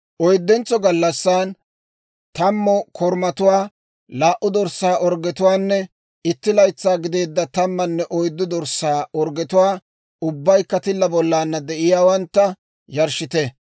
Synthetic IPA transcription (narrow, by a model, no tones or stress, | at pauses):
ʔɔjd̪ːɛnt͡sːɔɡɐlːɐsːaːn | t̪ɐmːɔkʰɔɾmɐt̪ʊwaː | laːʔʊd̪ɔɾsːaːʔɔɾɡɛt̪ʊwaːnːɛ | ɪt̪ːɪlɐjt͡sːaːɡɪd̪e̞ːd̪ːɐt̪ɐmːɐnːɛʔɔjd̪ːʊd̪ɔɾsaːɔɾɡɛt̪ʊwaː | ʊbːɐjkːɐt̪ɪlːɐbɔlːaːnːɐd̪ɛʔɪjaːwɐnt̪ːɐ | jɐɾʃɪt̪ɛ